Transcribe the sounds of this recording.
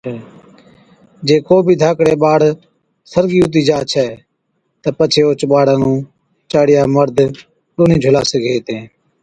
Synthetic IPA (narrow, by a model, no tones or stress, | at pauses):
d͡ʒeːkoːbʱiːd̪ʱaːkɽeːɓaːɽ | səɾɡiːʊt̪̬iːd͡ʒaːt͡ʃʰɛː | t̪əpət͡ʃʰeːʊt͡ʃɓaːɽãːnũː | t͡ʃaːɽɪjaːməɾd̪ʱ | ɗoːnĩːd͡ʒʱʊlaːsəɡʱeːt̪ẽː